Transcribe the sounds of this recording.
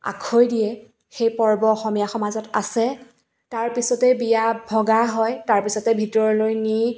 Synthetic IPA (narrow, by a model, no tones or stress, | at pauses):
a̰kʰojdijɛ | xejpɔɹbɔːxɔmijaxɔmazɔta̰sɛ | taɹpisɔtɛbijabʱɔɡaɦɔjtaɹpisɔtɛbʱitɔɹɔlojni